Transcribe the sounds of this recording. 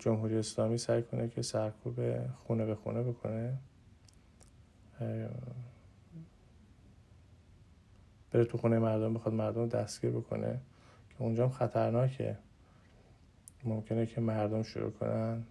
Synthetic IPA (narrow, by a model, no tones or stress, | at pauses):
d͡ʒomɦuːɾiːeːslɒːmiːsæjkʰo̞nʔecʰe̞sæɾkʰuːbḛxunebexṵːnebo̞kʰo̞̰ne | b̥e̞ɾet̪ʰuxuːnejemæɾd̪ombexɒːd̪mæɾd̪omd̪æ̰st̪ɡ̥iːɾbo̞kʰo̞̰nʔe̞̰ | cʰe̞und͡ʒɒːmxæt̪ʰæɾnɒːcʰe̞̰ | momcʰe̞necʰe̞mæɾd̪omʃo̰ɾṵːkʰo̞̰nʔæn